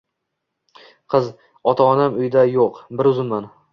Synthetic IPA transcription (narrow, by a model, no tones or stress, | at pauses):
qʰɨz | ɒt̪ʰaɒnamʊjd̪ajoqbɪɾʊzɪnman